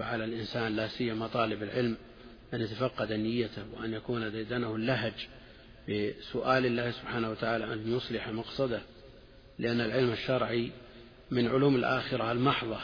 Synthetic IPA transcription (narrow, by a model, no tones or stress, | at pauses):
aʕalalʔɪnsaːnlasɪjːamat̪ˤɑːlɪbalʕɪlm | ʔanjat̪afɑqːɑd̪anɪjːat̪ahwɪ̰ʔanjakuːnad̪ajd̪anahʊlːaɦd͡ʒ | bɪsʊʔaːlɪlːaːhsʊbħaːnahwat̪aʕaːlaʔanjʊsˤlɪħmɑqsˤɑd̪a | lɪʔanːalʕɪlmaʃːɑɾˤʕi | mɪnʕʊluːmalʔa̰ːxɪɾaalmɑħðˤɑ